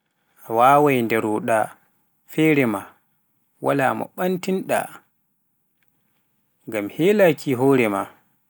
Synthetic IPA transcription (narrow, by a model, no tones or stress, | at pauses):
awaːwajndɛɾuɗa | fɛːɾɛma | wa̰la̰ːmɔ̰ɓantinɗa̰ | ŋɡamhɛlakʰiɦɔːɾɛma̰